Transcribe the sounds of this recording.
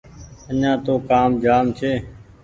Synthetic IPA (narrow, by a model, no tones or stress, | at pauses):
əɲãːt̪oːkaːmd͡ʒaːmt͡ʃʰeː